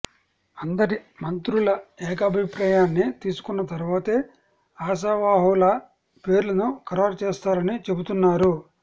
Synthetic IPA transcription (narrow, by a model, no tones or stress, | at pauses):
ɐnd̪ɐɾimɐnt̪ɾulɐɛːk̬ɐbʱipɾaːjaːnːit̪iːsu̥kunːɐt̪ɐɾuʋaːt̪e̞ː | aːs̬aːʋaːɦulɐ | pe̞ːɾlɐnukɐɾoːɾt͡ʃɛːst̪aːɾɐnit͡ʃe̞but̪unːaːɾu